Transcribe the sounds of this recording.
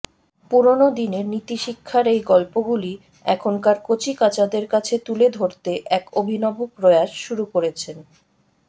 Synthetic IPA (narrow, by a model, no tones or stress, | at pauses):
puɾonod̪ineɾnit̪iʃikʰːaɾejɡɔlpoɡuli | ɛ̰kʰonkaɾkot͡ɕikat͡ɕad̪eɾkat͡ɕʰet̪uled̪ʱoɾt̪eʔɛkobʱinɔbopɾoeaʃʃuɾukoɾet͡ɕʰen